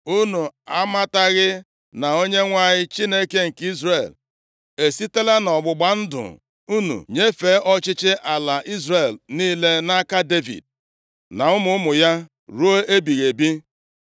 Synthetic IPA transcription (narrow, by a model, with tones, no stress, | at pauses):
u˦nu˨a˦ma˦ta˦ɣɪ˦ | na˨o˦ɲe˦ŋʷa˦ɲɪ˦t͡ʃi˦ne˦ke˦ŋ̩˨ki˦zre˨l | e˨si˦te˦le˦nɔ˨ɡ͡bʊ˨ɡ͡ba˨n̩˦dʊ̰˨ | u˦nṵ˨ɲe˦fe˨˦ʔɔ˦t͡ʃɪ˦t͡ʃɪ˦ʔa˨la˨ʔi˦zre˨lniː˦le˦na˦ka˦de˦vḭ˨d̚ | na˨ʊ˦mʊ˦mʊ˨ja˦ | ɾu˦o˦e˦bi˨ɣe˨bi˦